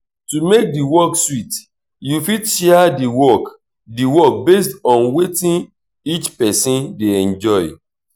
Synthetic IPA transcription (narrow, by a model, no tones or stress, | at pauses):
tumek̚diwɔkswit | jufiʃɛadiwɔk | diwɔk̚bes̬tɔ̃nwetĩn | it͡ʃpɛsĩndeɛ̃nd͡ʒɔɪ